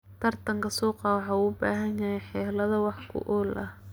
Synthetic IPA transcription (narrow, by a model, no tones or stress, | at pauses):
t̪ʰɐrt̪ʰɐŋkʰɐsuːqɑwɑħɑːuːbaːɦɐnjɐɦɛjħɛːlɐðɐwɑħkʰʊ̰ʔɔːlʔɐh